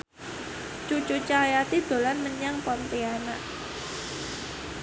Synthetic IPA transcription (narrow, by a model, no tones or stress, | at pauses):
t͡ʃut͡ʃut͡ʃajat̪id̪̥o̤lanməɲaŋpɔnt̪ianaʔ